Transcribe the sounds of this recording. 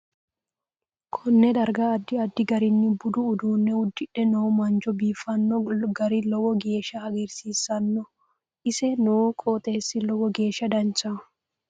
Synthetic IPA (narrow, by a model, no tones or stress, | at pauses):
kʰɔnːɛd̪ɐɾɡɐːd̪ːɪɐd̪ːɪɡɐɾɪnːɪbʊd̪ʊʊd̪uːnːɛʊd̪ːɪᶑːɛnoːmɐnd͡ʒɔbiːfɐnːɔɡɐɾɪlɔwɔɡe̞ːʃɐɐɡɪɾsiːsːɐnːɔ | ɪsɛnoːkʼoːt̪ʼe̞ːsːɪlɔwɔɡeːʃɐd̪ɐnt͡ʃɐ